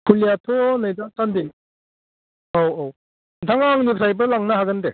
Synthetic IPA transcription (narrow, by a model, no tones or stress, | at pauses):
kʰulijatʰonajdatandi | owow | ntʰaŋaŋnipʰɾajbɯlaŋnaɦaɡɯnde